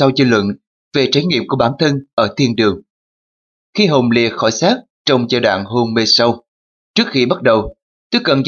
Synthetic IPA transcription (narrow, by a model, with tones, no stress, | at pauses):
a˧wzɨ˧lwə̰˧˨n | ve˨˩t͡ɕaː˧˩jŋḭ˧˨əmku˧˩əɓaː˧˩nt̪ʰə˧nʔəː˧˩t̪ʰi˧ənɗɨ˨˩əŋ | xi˧ɦo˨˩wŋ͡mlḭ˨əxɔ˧˩jsaː˦˥k̚ | t͡ɕə˧wŋ͡mzaː˧ɗwa̰ː˧˨ŋɦo˧ŋme˧sə˧w | t͡ɕɨ˦˥ək̚xi˧ɓa˦˥t̚ɗə˨˩w | t̪ɨ˦˥k̚kə˨˩nz